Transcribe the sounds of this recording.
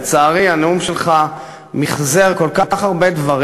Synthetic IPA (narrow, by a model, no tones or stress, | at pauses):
t͡saːʁianeumʃelχa | miχzeʁko̞lkakaχaʁbe̞d̪vaʁ